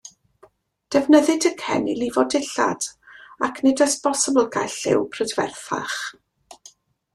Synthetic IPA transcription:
d̥ɛvnəðɨdəkʰɛ̰nḭlivɔdɪɬa̰d̥akʰnɪdəspɔsəbl̩ˠɡajɬɪ̰wpʰrədvɛ̰rθa̰χ

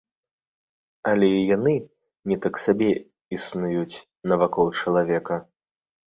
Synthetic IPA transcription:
ɐlʲɛijanɨ | nʲɛt̪aksabʲɛ | isnujut͡sʲ | nɐvakɔlˠt͡ʂɐlˠavʲɛkɐ

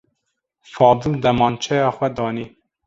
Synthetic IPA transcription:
fɑːb̪ud̪ɛmɑːnt͡ʃʰɛjɑːxwɛd̪ɑːniː

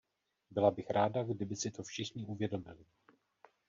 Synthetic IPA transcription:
bɪlabɪxɾaːdaɡdɪbɪsɪt̪ofʃɪxɲɪʔuvjɛdo̞mɪlɪ

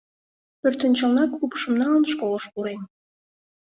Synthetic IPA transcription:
pørt̪ə̆nt͡ɕəlˠnɑkupʃə̆mnɑlnʃkolˠəʃkuɾen

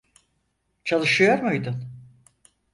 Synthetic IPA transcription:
t͡ʃʰalˠɯʃɯjoɾmujd̪ʊn

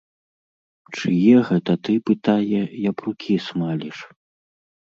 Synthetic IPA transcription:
t͡ʂɨjɛɣɛt̪ɐt̪ɨpɨt̪ajɛjɐpɾukʲismalʲiʂ

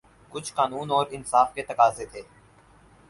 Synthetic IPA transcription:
kʊt͡ʃʰkaːnuːnɔːɾɪnsaːfket̪ɐkaːzet̪ʰeː

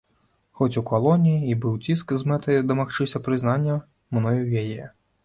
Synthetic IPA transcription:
xɔt͡sʲukalˠɔnʲijiːbɨwt͡sʲiskzmɛt̪ɐjd̪ɐmaxt͡ʂɨsʲɐpɾɨznanʲːɐ | mnɔjuwjajɛ

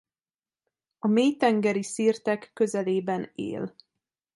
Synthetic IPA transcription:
ɒmeːjt̪ɛŋɡɛɾisiːrt̪ɛkːø̞zɛleːbɛnḛːl

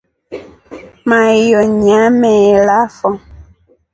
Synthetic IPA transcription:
majɔɲamɛlafɔŋ

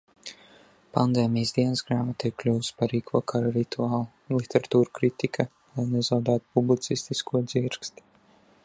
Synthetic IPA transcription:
pand̪ɛːmʲijsd̪iɛnəsɡɾaːmat̪ijklʲuːspaɾiːkʰuɔkʰaɾaɾit̪uaːlˠulˠit̪ʲɛɾat̪uːɾukɾit̪ikʰa | lajnɛzawd̪aːt̪publʲit̪sist̪iskuɔd̪ziɾkst̪

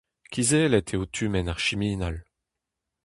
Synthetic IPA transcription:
kʰʲizeːlɛt̪ʰeot̪ʰymɛnaʁʃimiːnal

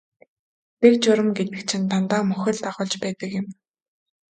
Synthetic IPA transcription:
t̪ek̚t͡ɕʊɾə̆mɡet̪ɘ̆kt͡ɕʰɪ̆nt̪ʰant̪aːmɵxʲɘ̆ɮt̪aʁʊːɮt͡ɕpæːt̪ə̆kjɪ̆m

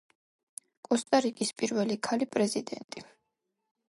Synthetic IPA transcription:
kʼɔst̪ʼaɾikʼispʼiɾvɛlikʰalipʼɾɛzid̪ɛ̰nt̪ʼi

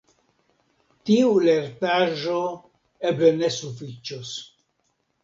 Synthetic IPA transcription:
tiuleɾtaʒo | eblenesufit͡ʃos

